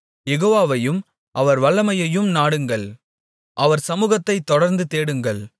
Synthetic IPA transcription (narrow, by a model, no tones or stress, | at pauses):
jɛɣoːʋaːʋɐjɯm | ʔɐʋɐɾʋɐɭːɐmɐjɐjɯmnaːɽɯŋɡɐɭ | ʔɐʋɐɾsɐmuːɣɐt̪ːɐɪt̪ːɔɽɐɾnd̪ɯt̪eːɽɯŋɡɐɭ